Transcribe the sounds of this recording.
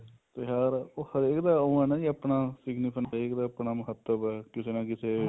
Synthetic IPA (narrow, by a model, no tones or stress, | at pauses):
t̪eːjaːɾoːhəɾeːkd̪aːoːɛːnãːd͡ʒiəpnaːsɪɡnɪpʰənɦəɾeːkd̪aːəpnaːməɦət̪ːəbɛːkɪseːnãːkɪseː